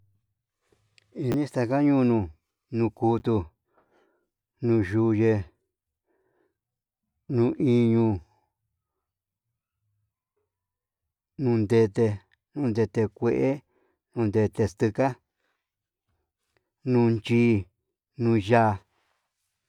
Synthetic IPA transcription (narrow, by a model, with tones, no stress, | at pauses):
i˧nĩ˦st̪a˧ka˦ɲũː˦˧nũ˧ | nũ˧ku˧t̪u˧ | nũ˧ʒu˧je˧ | nũ˧ʔi˧ɲũ˧ | nũ˧nd̪e˧t̪e˧ | nũ˧nd̪e˧t̪e˧kʷe˧˨ʔe˦ | nũː˧nd̪e˧t̪e˧st̪ɨ˧ka˦ | nũ˧nt͡ʃiː˧˦ | nũː˧ʒa˦˧